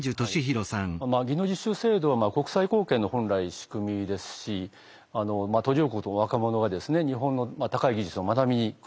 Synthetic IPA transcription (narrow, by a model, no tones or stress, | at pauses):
d͡ʑɨt̪oɕiçiɾo̞sãŋmaːɡʲino̞d͡ʑiɕɨse̞ːd̪o̞βamaːko̞kɯ̟̥saiko̞ːkẽ̞nːo̞hõ̞nɾaiɕi̥kɯ̟mʲid̪e̞sɨ̥ɕi | ano̞maːt̪o̞ɾʲio̞ːkoːt̪oβakamo̞no̞ɡad̪e̞sɨne̞ɲ̟iɦõ̞nːo̞mat̪akaiɡʲiʑɨt͡sɨo̞manamʲiɲik